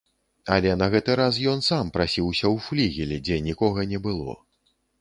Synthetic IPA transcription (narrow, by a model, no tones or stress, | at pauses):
ɐlʲɛnɐɣɛt̪ɨɾasjɔnsampɾasʲiwsʲɐwflʲiɣʲilʲɛd͡zʲɛnʲikɔɣɐnʲɛbɨlˠɔ̰